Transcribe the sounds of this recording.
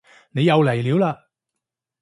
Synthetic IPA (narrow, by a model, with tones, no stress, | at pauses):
ne˨˧jɐ˨˧wle˨˩jliː˨˥wlaː˧